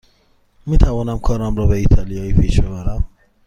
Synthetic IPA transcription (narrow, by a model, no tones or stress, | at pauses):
miːt̪ʰævɒːnæmkʰɒːɾɒmɾɒːbeiːt̪ʰɒlijɒːiːpʰiːʃbe̞βæɾæm